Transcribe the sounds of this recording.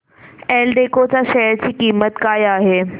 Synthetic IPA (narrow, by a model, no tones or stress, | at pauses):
elɖekot͡saɕɛjəɾt͡ɕiːkiːmət̪kaːjaɦe